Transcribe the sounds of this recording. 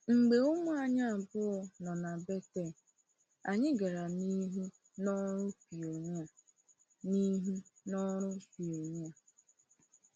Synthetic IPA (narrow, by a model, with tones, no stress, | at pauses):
ŋ͡m̩˨ɡ͡be˨ʊ˦mʊ˦a˨ɲa˦a˨bʊ˦ɔ˨nɔ˨na˨be˦te˦˨ | a˨ɲɪ˦ɡa˨ɾa˨ni˦ɦu˦ | nɔ˦ɾʊ˦pi˨o˨ɲ˦a˨ | ni˦ɦu˦nɔ˦ɾʊ˦pi˨o˨ɲ˦a˨